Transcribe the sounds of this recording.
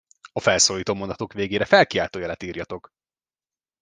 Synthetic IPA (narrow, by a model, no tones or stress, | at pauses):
ɒfɛlsoːliːt̪oːmond̪ɒt̪okʋeːɡeːɾɛfɛlkiaːlt̪oːjɛlɛt̪iːrjɒt̪o̞k